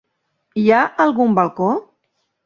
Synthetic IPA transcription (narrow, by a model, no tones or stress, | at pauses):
iaʔalˠɣumbalˠko